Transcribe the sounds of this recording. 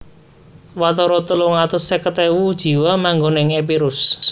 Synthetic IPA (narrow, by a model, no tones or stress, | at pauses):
wat̪ɔɾɔt̪əluŋat̪əsekət̪ewud̥ʒ̥i̤wamaŋɡoneŋep̬iɾʊs